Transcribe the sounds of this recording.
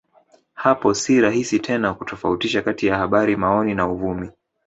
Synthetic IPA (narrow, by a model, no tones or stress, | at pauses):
hapɔsiɾaɦisitʰɛnakutɔfautiʃakatijahaɓaɾimaɔninauvumi